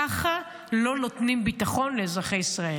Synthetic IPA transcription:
aχa | lo̞no̞tnimbitaχo̞nlezʁaχe̞jisʁae

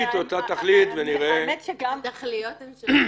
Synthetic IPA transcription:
t̪ot̪at̪aχlit̪veniʁemet̪ʃeɡamt̪aχlijot

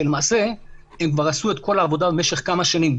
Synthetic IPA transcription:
elemaːse̞ | emkvaʁasue̞tko̞laːvo̞d̪abemeʃe̞χkamaʃanim

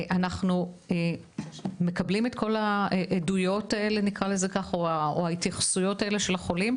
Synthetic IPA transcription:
ʔanaχnue | me̞kɐblime̞tkʰo̞laʔedujo̞tae̞lenikʁalezekaχo̞aoaitjaχsujo̞tae̞le̞ʃe̞laχo̞lim

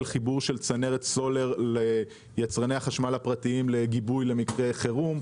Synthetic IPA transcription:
lχibuʁʃe̞lt͡sane̞ʁetso̞le̞ʁle | jat͡sʁaneaχaʃmalhapʁat̪iimleɡibujle̞mikʁe̞χeʁum

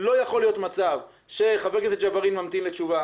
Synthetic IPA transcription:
lo̞jaχo̞lijo̞t̪mat͡sav | ʃe̞χavekeset͡ʃabaʁimːamt̪imlet͡ʃuva

